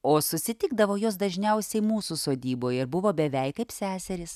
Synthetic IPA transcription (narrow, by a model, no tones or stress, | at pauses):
oːsʊsʲɪt̪ʲɪɡ̚d̪ɐʋoːjoːsd̪ɐʒʲnʲɛʊsʲɛɪmuːsuːsoːd̪ʲiːboːjɪɾbʊʋoːbʲɛʋʲɛɪkɐɪpsʲæːsʲɛɾʲɪs